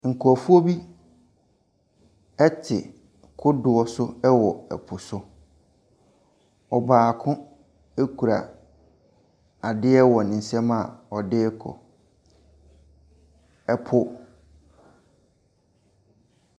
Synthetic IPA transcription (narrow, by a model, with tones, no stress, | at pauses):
ŋ̩˨kʰu˨ɔ˨fu˦o˦bi˦ | ɛ˦tʰɪ̰˨ | kʰʊ˦dʊ˨ɔ˦sʊ˦ɛ˦wɔ˨ɛ̰˨pʰʊ˨sʊ˦ | ɔ˨baː˨kʰʊ̃˦ | e˦kʰu˨ɾa̰˨ | a˨dɪ˦ɛ˦wɔ˨nɪ̃˨n̩˨sɛ̃˦ma̰˨ɔ˨dɪ˦kʰɔ̰˨ | ɛ˨pʰʊ˦